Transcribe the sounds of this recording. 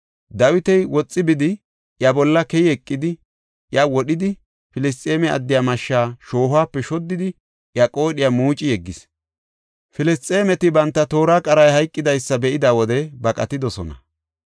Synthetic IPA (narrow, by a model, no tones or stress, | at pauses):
d̪ɐwɪt̪ɛjwɔt͡sʼːɪbɪd̪ɪ | ʔjɐbɔlːɐkɛjɛkʼːɪd̪ɪ | ʔjɐwɔɗɪd̪ɪ | fɪlɪs̬t̪ʼe̞ːmɛɐ̰d̪ːɪjaːmɐʃːaːʃo̞ːhʊaːpːɛʃɔd̪ːɪd̪ɪ | ʔjɐkʼo̞ːɗɪjamuːt͡ʃʼɪjɛɡːɪs | fɪlɪst̪ʼe̞ːmɛt̪ɪbɐnt̪ːɐt̪o̞ːɾaːkʼɐɾɐjhɐjkʼːɪd̪ɐjsːɐbɛʔɪd̪awɔd̪ɛbɐkʼɐt̪ɪd̪ɔsɔ̰nɐ̰